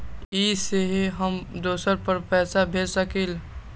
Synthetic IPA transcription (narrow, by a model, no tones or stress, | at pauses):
iseɦɦəmd̪oːsəɾpəɾpɛːsabʱeːsəkel